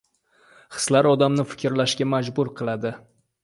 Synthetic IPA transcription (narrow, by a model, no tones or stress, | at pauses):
χɨ̥slaɾɒd̪amnɪfɪ̥kʲɾlaʃɡʲamad͡ʒbʊɾqʰɨlˠad̪ɪ